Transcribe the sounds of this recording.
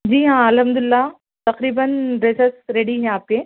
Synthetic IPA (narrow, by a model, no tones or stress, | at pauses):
d͡ʑiːɦãːɐlɦɐmd̪ʊɪlːa | t̪ɐqɾiːbənɾeːsəsɾeːɽiɲaːp̚keː